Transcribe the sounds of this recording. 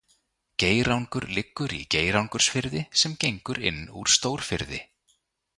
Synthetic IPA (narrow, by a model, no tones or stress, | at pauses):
ceːjɾawŋkʏɾlɪkːʏɾḭceːjɾawŋkʏɾ̥sfɪɾðɪsɛmcejŋkʏɾɪ̰nːṵɾ̥st̪oːwɾ̥fɪɾðɪ